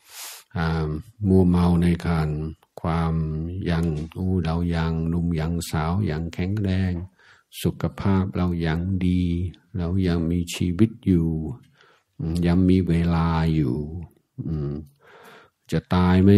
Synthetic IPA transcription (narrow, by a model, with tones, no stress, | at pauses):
ʔaː˧˩mu˧˩əma˧wna˧˩jkʰaː˧n | kʰwaː˧mja˧˩ŋʔuː˧˩la˧wja˧˩ŋlu˧mja˨˩ŋsaː˨˦wja̰ː˨˩ŋkʰɛ˧˥˦ŋɾɛː˧˩ŋ | su˨˧˦kʰːa˧pʰaː˥˩p̚la˧wjaː˨˩ŋdiː˧la˧˨wja˧˩ŋmiː˧t͡ɕʰiː˧wi˦˥t̪̚juː˨˩ | ʔja˧ŋmiː˧˥weː˧laː˧juː˨˩ | ʔɯː˧˩m | t͡ɕa˧˩t̪aː˧jma˦˥